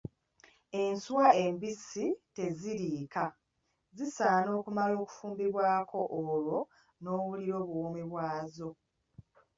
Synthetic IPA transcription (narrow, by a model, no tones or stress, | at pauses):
e̞nsuwae̞mbisite̞ziɾiːka | zisaːno̞ːkumalo̞ːku̥fuːmbiβwaːkʰo̞ʔːlwo̞ | no̞ːβuliɾo̞ːβuomiβwaːzo̞